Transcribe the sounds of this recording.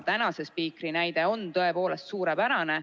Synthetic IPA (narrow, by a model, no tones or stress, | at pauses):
t̪ænɑse̞spiːkrinæjd̪e̞o̞nt̪ɤe̞po̞ːle̞st̪suːɾepæɾɑne